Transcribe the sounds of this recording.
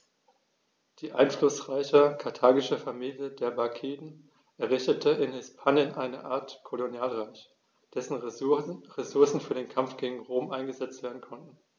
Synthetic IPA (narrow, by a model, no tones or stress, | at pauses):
d̥iːʔa̰ɪnflʊsʁ̥aɪçəkʰaɐtʰaːɡɪʃəfamiːljədeːɐbaɐkʰiːdn̩ | ʔɛɐʁ̞ɪçtətʰəɪnhɪspʰaːnjənʔaɪnə̰ʔaːɐtkʰolonjaːlʁaɪç | d̥ɛsn̩ | ʁesʊɐsn̩fyːɐdeːnkʰamfɡ̥eːɡŋ̩ʁoːmʔaɪnɡəzɛt͡stv̥eːɐdn̩kʰɔntn̩